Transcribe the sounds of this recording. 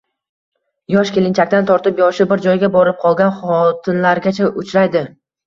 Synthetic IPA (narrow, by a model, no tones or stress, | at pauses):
jɒʃkʲʰelɪnt͡ʃʰakʲt̪ant̪ʰɒɾt̪ɪpjɒʃɪbɪɾd͡ʒɒjɡʲabɒɾɪp̚qʰɒlˠɡʲanχɒt̪ʰɪnlaɾɡʲat͡ʃʰaʔʊt͡ʃʰɾajd̪ɪ